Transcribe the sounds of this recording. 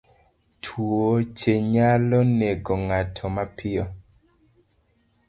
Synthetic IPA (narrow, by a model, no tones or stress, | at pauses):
tʰwot͡ʃeɲalɔneɡɔŋatʰɔmapɪɔ